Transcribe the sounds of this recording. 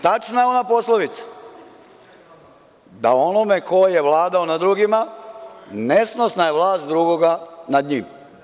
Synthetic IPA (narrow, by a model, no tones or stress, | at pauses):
t̪at͡ʃnajeo̞napo̞slˠoʋit̪sḁ | d̪ao̞nome̞ko̞jjeʋlˠaːd̪aonad̪ɾuɡima | ne̞sno̞snajeʋlˠaːst̪̚d̪ɾuɡoɡanad̪ɲim